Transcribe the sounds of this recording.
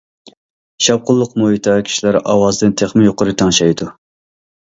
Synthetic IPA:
ʃɑw̚qʰʊlˠːʊqmoit̪ʰɑkʲʰi̥ʃilæɾɑ̰wɑzd̪ɨnt̪ʰeχmɪjoqʊɾɨt̪ʰɑŋʃɑjd̪u

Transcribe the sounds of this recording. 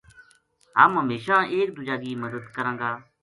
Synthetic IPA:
ɦə̰mɦəmeːʃãːʔeːk̚d̪ʊd͡ʒaːɡiːməd̪əd̪kəɾãːɡaː

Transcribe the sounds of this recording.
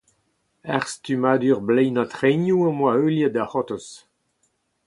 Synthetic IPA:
ɛʁst̪ymaːd̪yʁblɛjnat̪χɛnjuãmwaøljad̪ahɔt̪ɔs

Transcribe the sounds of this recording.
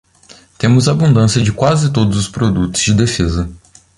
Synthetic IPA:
t̪ẽmʊzaːbũd̪ɐ̃siɐd͡ʒɪkwazɪt̪od̪ʊzʊspɾod̪ut̪ʊ̥z̥d͡ʒɪd̪efezɐ

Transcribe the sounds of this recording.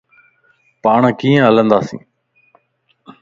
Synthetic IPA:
paːɳkiːə̃ɦələ̃nd̪aːsḭ̃ː

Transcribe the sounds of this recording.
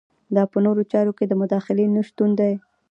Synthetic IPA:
d̪ɑpənoɾot͡ʃɑɾoked̪əmʊd̪ɑxɪlenəʃt̪und̪aj

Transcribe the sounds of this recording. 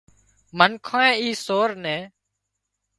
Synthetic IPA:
mənkʰãːẽːiːsoːɾnɛ̃ː

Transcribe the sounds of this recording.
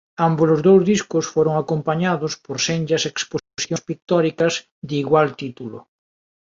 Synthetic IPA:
ambolʊzðowzðiskʊsfoɾʊŋakompaɲaðʊspoɾseɲʲd͡ʒɐseksposjospik̚t̪ɔɾikɐz | ðiɣwalt̪it̪ulʊ̰

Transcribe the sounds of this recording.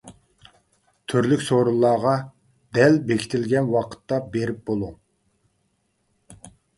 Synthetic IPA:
t̪ʰyɾlykʲsoɾulˠːɑːʁɑ | d̪ɛlbekʲʰi̥t̪ʰɪlɡʲɛnwɑqʰə̥t̪ːɑbeɾɪp̚b̥olˠu

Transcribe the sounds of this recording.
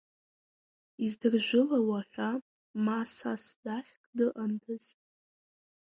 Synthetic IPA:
izdɨrʒᶣʷʊlawaħᶣʷa | masasdaħʲkʼdɨʔandʰɨzʼ

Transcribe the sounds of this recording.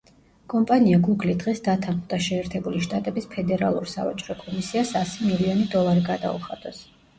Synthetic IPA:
kʼɔmpʼaniaɡuɡlid̪ʁɛsd̪at̪ʰanχmd̪aʃɛːɾt̪ʰɛbuliʃt̪ʼat̪ʼɛbispʰɛd̪ɛɾalˠṵɾsa̰va̰t͡ʃʼɾɔkʼɔmisiasasimiliɔnid̪ɔlˠaɾiɡad̪a̰ṵχa̰d̪̥ʼɔs

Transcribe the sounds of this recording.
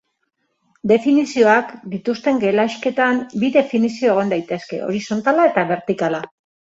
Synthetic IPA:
d̪e̞finisio̞akd̪it̪ust̪e̞ŋɡe̞laʃke̞t̪ambiðe̞finisio̞eɣ̞o̞nd̪ajt̪e̞ske̞̰o̞̰ɾiso̞nt̪alae̞t̪aβe̞ɾt̪ikala

